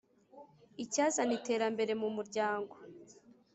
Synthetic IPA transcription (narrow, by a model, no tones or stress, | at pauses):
icaːzanite̞ːɾambe̞ɾe̞mumuɾɟaːŋɡo̞